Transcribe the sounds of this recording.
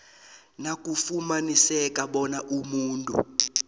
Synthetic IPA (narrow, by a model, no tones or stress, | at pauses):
nakʼufumanisɛkʼaɓɔnaʔumuːntʼṵ